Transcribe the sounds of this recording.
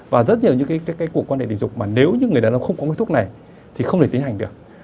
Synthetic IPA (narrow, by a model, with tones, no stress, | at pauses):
vaː˨˩zə˦˥t̚ɲi˨˩əwɲɨ̰˧˥ŋkaː˨˦kaː˨˦jkaː˨˦jku˨˩əkwaː˧nhḛ˧˨ɗḭ˧˨zʊ˨˩k͡p̚maː˨˩ne˨˦wɲɨ̰˧ŋɨ˨˩əjɗaː˨˦na˨˧˦xə˧wŋ͡mkɔ˨˦ka˨˦t̪ʰk̚na˨˩j | t̪ʰi˨˩xə˧wŋ͡mt̪e˧˩t̪i˨˦nha˨˩jŋ̟ɗɨ˨˩ək̚